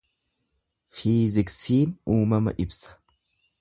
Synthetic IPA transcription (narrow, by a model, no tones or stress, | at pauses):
fiːzɪksiːnuːmɐmɐ̰ʔɪbsɐ̥